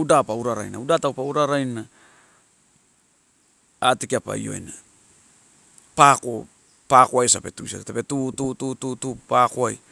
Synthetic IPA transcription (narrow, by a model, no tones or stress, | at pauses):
udapauɾaɾa̰jna̰udatawpauɾaɾajna | atikiapa̰j̰o̞̰j̰na | pako̞ | pakoajsape̞tusa̰etapetututututupakoaj